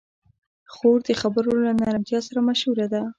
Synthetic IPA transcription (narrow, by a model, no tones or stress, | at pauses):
xoɾd̪əxabəɾolanɑɾant̪jɑsaɾamaʃhuɾad̪a